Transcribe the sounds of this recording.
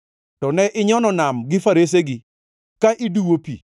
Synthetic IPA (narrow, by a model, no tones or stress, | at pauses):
tɔnɛʔɪɲɔnɔnamɡɪfaɾes̬eɡɪ | kaʔiduwopḭ